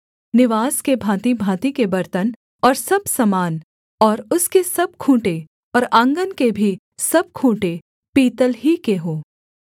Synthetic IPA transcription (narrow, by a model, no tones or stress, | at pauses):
nɪʋaːskebʱãːt̪ibʱaːt̪ikebɐɾt̪ən | ɔːɾsɐbsɐmaːn | ɔːɾʊskesɐb̚kʰũːʈe | ɔːɾãːŋɡənkebʱi | sɐb̚kʰũːʈe | piːt̪əlɦikeɦoː